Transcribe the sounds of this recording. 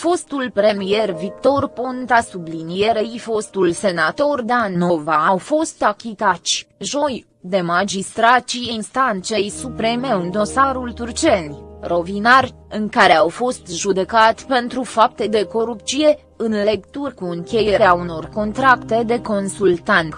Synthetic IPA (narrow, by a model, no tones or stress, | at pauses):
fo̞st̪ulpɾe̞mije̞rvik̚t̪o̞rpont̪asublinije̞ɾeifo̞st̪ulse̞nat̪o̞rd̪ano̞vaːwfo̞st̪akʲit̪at̪sʲʒo̞j | d̪e̞mad͡ʒist̪ɾat̪t͡ʃieinst̪ant̪se̞jsupɾe̞me̞ɨnd̪o̞saɾult̪urt͡ʃenʲrʔo̞vinarʲ | ɨŋkaɾe̞awfo̞st̪ʒud̪e̞kat̪ʲpe̞nt̪ɾufap̚t̪e̞d̪e̞ko̞ɾup̚t̪t͡ʃsije̞ | ɨnle̞kt̪urkuɨŋkʲe̞jeɾeauno̞rko̞nt̪ɾakt̪e̞d̪e̞ko̞nsult̪ant̪